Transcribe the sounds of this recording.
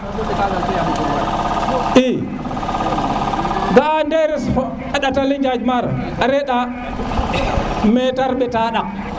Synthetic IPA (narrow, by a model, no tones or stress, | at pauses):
ʔi | ɡandɛɾɛsɔ | ɛɗataliɲd͡ʒad͡ʒmaɾ | aɾɛɗa | mɛtaɾɓɛtaɗa